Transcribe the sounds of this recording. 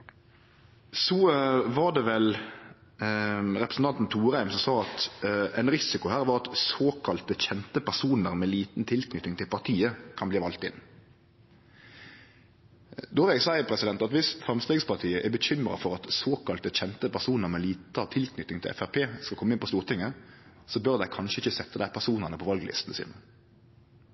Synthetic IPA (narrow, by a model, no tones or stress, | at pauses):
sɔʋɑd̪ɛʋɛl | ɾɛpɾəsn̩t̪ɑnt̪n̩t̪ʰuːɾæɪmsɔmsɑːɑt̪ɛɪnʁɪsɪkʊhæːɾʋɑʁɑt̪soːkʰɑlt̪əçɛnt̪əpæʁsuːnəʁmɛliːt̪n̩t̪ʰɪlknʏt̪ːɪŋt̪ʰɪlpʰɑʁt̪ʰiːəkʰɑnbliːʋɑlt̪ɪnː | d̪ɔːʋɪlɛɡsæɪpʰʁɛsɪd̪ɛnt̪ɑt̪ʋɪsfʁɛmst̪eːɡspɑʁt̪ʰiːəʔɛbəɕʏmɾɑ̰fɔɾɑt̪soːkɑlt̪əçɛnt̪əpʰæʁsuːnəʁmɛliːt̪ət̪ʰɪlknʏt̪ːɪŋt̪ʰɪ̰lʔɛ̰fæʁpʰeːskɑlkɔmːɪnpɔst̪uːʁt̪ʰɪŋːə | sɔbœʁd̪æɪkʰɑnʃəɪçːəsɛt̪ːəd̪æɪpʰæʁsuːnəʁnəpʰɔʋɑlɡəlɪ̰st̪nəsḭːnə